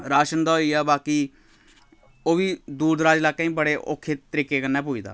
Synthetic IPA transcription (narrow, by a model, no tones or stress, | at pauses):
ɾaːʃənd̪aːoiːaːbaːkiː | oːʋiːd̪uːɾd̪ɾaːd͡ʒlaːkãːĩːbəɽeːʔo̰ːkʰːeːt̪əɾiːkeːkənːɛ̃ːp̬ʊːiːd̪a̰ː